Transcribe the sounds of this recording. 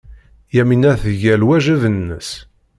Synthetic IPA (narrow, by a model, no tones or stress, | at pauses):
jæminæθʝælwæʒəvənːə̰s